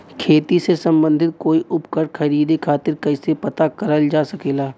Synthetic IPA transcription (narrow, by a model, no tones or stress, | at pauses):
kʰeːt̪isesɐ̃mbə̃nd̪ʱɪt̪̚koːiʔʊpkəɾkʰɐɾiːd̪ikʰaːt̪ɪɾkɐɪsepɐt̪akɐɾəld͡ʒaːsɐkeːlaː